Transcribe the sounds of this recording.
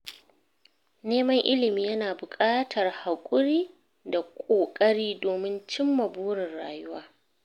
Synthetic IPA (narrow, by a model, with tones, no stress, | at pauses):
neː˦mɐ˦ŋʔɪ˦lɪ˨miː˦jɐ˦naː˨bʊ˨kʼaː˦tʰɐ˨rha˨kʷʼʊ˦ɽiː˦ | da˨kʷʼoː˨kʼɐ˦ɽiː˦doː˨mɪ˦nt͡ʃɪ˦mːɐ˨buː˦ɽɪ˨nɽa̰ː˨jʊ˦waː˦